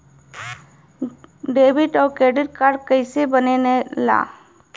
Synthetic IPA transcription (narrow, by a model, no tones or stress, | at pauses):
ɖeːbɪʈɔːkeːɖɪɾkaɾɖkəɪsebənenela̰ː